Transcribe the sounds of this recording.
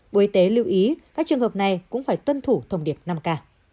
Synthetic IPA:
ɓu˨˦jt̪e˨˦li˧əwʔi˨˦kaː˦˥k̚t͡ɕɨ˨˩əŋhəː˨˩p̚na˨˩jkʊ̰˧˥ŋ͡mfaː˧˩jt̪wə˧nt̪ʰu˧˩t̪ʰə˧wŋ͡mɗi˧˩əp̚na˧mkaː˧

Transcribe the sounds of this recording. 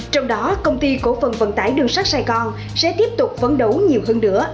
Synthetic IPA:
t͡ɕɔ˧wŋ͡mɗɔ˨˦kə˧wŋ͡mt̪i˧ko˧˩fə˨˩nvə̰˧˨˩nt̪aː˨˩jɗɨ˧əŋsa˦˥k̚saː˧jɣɔ˧n | sɛ̰˧˥t̪i˦˥əp̚t̪ʊ˨˩k͡p̚fə˨˦nɗə˨˦wɲi˨˩əwɦəː˧nːɨ̰˧˥ə

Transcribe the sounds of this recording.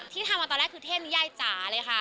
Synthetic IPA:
t̪ʰiː˥˩t̪ʰa˧mʔa˧t̪ɔ˧lɛː˦˥˩kʰɯː˧t̪ʰe˥˩p̚ni˦˥jaː˥˩jt͡ɕaː˩˦lɤː˧jkʰa˥˩

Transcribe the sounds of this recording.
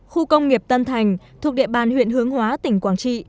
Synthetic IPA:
xu˧kə˧wŋ͡mŋi˨˩əp̚t̪ə˧nt̪ʰa˨˩jŋ̟t̪ʰu˨˩k̚ɗḭ˧˨əɓaː˨˩nhwḭ˧˨ənhɨ˨˦əŋhwaː˨˦t̪ï˧˩ŋ̟kwaː˧˩nt͡ɕḭ˧˨

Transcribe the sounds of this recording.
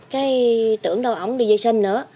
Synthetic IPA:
kaː˨˦jt̪ɨ̰˧˩əŋɗə˨˧˩wʔə˨˧˦wŋ͡mɗɨ˧˩zə˧jsi˧ŋnɨ̰˧˥ə

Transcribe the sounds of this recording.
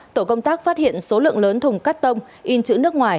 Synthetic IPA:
t̪o˧˩kə˧wŋ͡mt̪aː˦˥k̚faː˦˥t̚hḭ˧˨ənso˨˦lɨ̰˧˨əŋləː˨˦nt̪ʰʊ˨˩ŋ͡mkaː˦˥k̚t̪ə˧wŋ͡m | ʔi˧nt͡ɕɨ̰˧˥nɨ˦˥ək̚ŋwaː˨˩j

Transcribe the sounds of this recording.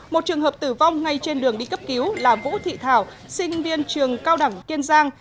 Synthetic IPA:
mo˨˩t̚t͡ɕɨ˨˩əŋɦəː˨˩p̚t̪ɨ˧˩va˧wŋ͡mŋa˧jt͡ɕe˧nɗɨ˨˩əŋɗi˧kə˦˥p̚ki˨˦wlaː˨˩mvṵ˧˥t̪ʰḭ˧˨t̪ʰaː˧˩w | sï˧ŋ̟vi˧ənt͡ɕɨ˨˩əŋkaː˧wɗa˧˩ŋki˧ənzaː˧ŋ

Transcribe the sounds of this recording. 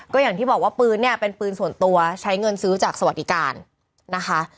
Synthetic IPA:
kɔː˥˩jaː˨˩ŋt̪ʰiː˥˩bɔː˨˩k̚waː˥˩pɯː˧nːi˥˩ɐpe˧npɯː˧nsu˨˩ənt̪u˧ɐt͡ɕʰa˦˥jŋɤ˧nsɯː˦˥t͡ɕaː˨˩ksa˧wa˨˩t̪̚di˧kaː˧nː | a˦˥kʰa˦˥

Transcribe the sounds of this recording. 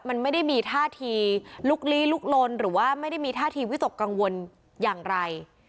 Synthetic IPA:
ma˧nma˥˩jda˥˩jmiː˧t̪ʰaː˥˩t̪ʰiː˧lu˦˥˩k̚li˦˥lu˦˥k̚lo˧nɾɯː˩˦waː˥˩ma˥˩jda˥˩jmiː˧t̪ʰaː˥˩t̪ʰiː˧wi˦˥t̪o˨˩kːa˧ŋwo˧n | jaː˨˩ŋɾa˧j

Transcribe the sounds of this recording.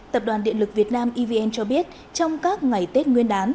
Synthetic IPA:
t̪ə˨˩p̚ɗwaː˨˩nɗḭ˧˨əlɨ˨˩k̚vi˨˩ət̚naː˧mʔi˧vi˧ʔɛ˧nt͡ɕɔ˧ɓi˦˥ət̚ | t͡ɕɔ˧wŋ͡mkaː˦˥k̚ŋa˨˩jt̪e˦˥t̚ŋwi˧ənɗaː˨˦n

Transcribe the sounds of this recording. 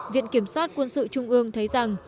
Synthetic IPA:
vḭ˧˨ənki˧˩əmswaː˦˥t̚kwə˧nsɨ̰˧˨t͡ɕʊ˧ŋ͡mʔɨ˧əŋt̪ʰə˨˦jza˨˩ŋ

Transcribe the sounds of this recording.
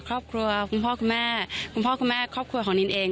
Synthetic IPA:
kʰɾɔː˥˩p̚kʰɾu˧ɐkʰu˧˩mpʰɔː˥˩kʰu˧nmɛː˥˩kʰu˧mpʰɔː˥˩ku˧mɛː˥˩kʰɔː˥˩p̚kʰɾu˧kʰɔː˩˦ni˧nʔeː˧ŋ

